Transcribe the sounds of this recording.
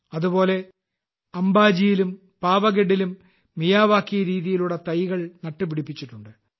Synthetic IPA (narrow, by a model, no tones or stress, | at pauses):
ɐðubo̞ːle̞ | ɐmbaːd͡ʑijilum | paːʋɐɡeɽilumː | ijaːʋaːkːijɐɾiːðijiluɽɐt̪ɐjɣɐɭnɐʈːupiɽipːit͡ɕːiʈːuɳɖɨ